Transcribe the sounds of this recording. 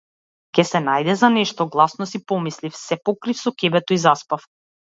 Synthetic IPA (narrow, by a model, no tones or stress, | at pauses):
kʲɛsɛnajd̪ɛzanɛʃt̪ɔɡlˠasnɔsipɔmislifsɛpɔkɾifsɔkʲɛbɛt̪ɔizaspaf